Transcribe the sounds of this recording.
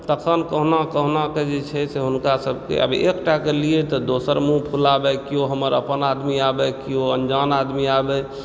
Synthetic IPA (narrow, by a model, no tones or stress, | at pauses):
t̪əkʰənkəɦnakəɦnaked͡ʒet͡ʃʰɛseɦʊnkasəb̚kḛə̰bʱiekʈakelijet̪ɔd̪osəɾmũpʰulabɛkioɦəməɾəpənad̪miabɛkioənd͡ʒanad̪miabɛ